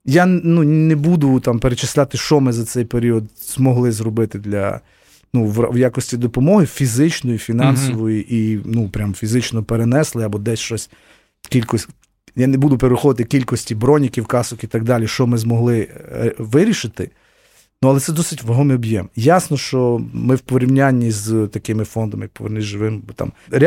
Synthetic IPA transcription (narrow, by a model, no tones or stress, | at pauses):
janunʲnebud̪ʊt̪ɑmpeɾet͡ʃɪsʲlʲat̪ɪʃt͡ʃɔmɪzɐt̪sɛjpeɾʲiɔd̪ | zmɔɦlˠɪzɾɔbɪt̪ɪd̪lʲɐ̰ | nuʋ̰ʋjakɔsʲtʲid̪ɔpɔmɔɦɪfʲizɪt͡ʃnɔjifʲinɑnsɔʋɔjiʔinupɾʲamfʲizɪt͡ʃnɔpeɾenɛslˠɪɐbɔd̪ɛsʲʃt͡ʃɔsʲ | kʲilʲkɔsʲ | janebud̪ʊpeɾɪxɔʋ̪ɪt̪ɪkʲilʲkɔsʲtʲibɾɔnʲikʲiwkɑsɔkit̪ɐɡ̚d̪ɑlʲiʃt͡ʃɔmɪzmɔɦlˠɪʋɪɾʲiʃɪt̪ɪ | nuɐlˠɛt̪sɛd̪ɔsɪtʲʋɔɦɔmɛɔbjɛmjɑsnɔʃt͡ʃɔmɪwpɔɾʲiwnʲanʲːizt̪ɐkɪmɪfɔnd̪ɐmɪpɔʋernɪzʒɪʋɪmbɔt̪ɑ̰mɾʲɪ